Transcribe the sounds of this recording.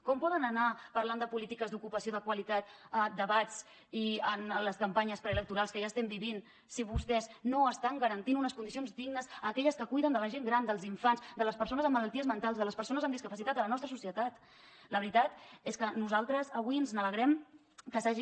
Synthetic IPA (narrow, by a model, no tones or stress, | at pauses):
kɔmpɔðənənapəɾland̪əpulit̪ikəzd̪ukupəsioðəkwəlit̪at̪əd̪əβat͡s | iənləskəmpaɲəspɾɛːlək̚t̪uɾalˠskəʒast̪ɛmbiβin | siβ̞ust̪ɛznoəst̪aŋɡəɾənt̪inunəskund̪isionzd̪iɡnəzəːkɛʎəskəkujðənd̪ələʒeŋɡɾand̪əlˠziɱfanzd̪ələspəɾsonəzəmːələlˠt̪iəzmənt̪alˠzðələspəɾsonəzəmd̪iskəpəsit̪at̪ələnɔst̪ɾəsusiət̪at̪ | ləβɾit̪at̪eskənuzalˠt̪ɾəzəβwiənznələɣɾɛm | kəsaʒi